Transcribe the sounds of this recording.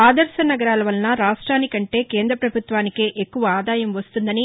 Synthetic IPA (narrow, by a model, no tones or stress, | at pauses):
aːd̪ɐɾʃɐnɐɡɐɾaːlɐʋɐlnaɾaːʂʈɾaːnikɐɳʈe̞ːkeːnd̪ɾɐpɾɐbʱut̪ʋaːnikeːʔekːuʋɐaːd̪aːjɐmʋɐst̪und̪ɐni